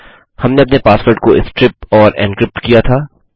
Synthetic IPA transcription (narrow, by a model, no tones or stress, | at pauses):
hɐmneɐpnepaːsʋəɾʈkoʔɪ̰skɾɪp̚ɔːɾɛ̰̃ːnkɾɪp̚ʈkijat̪ʰaː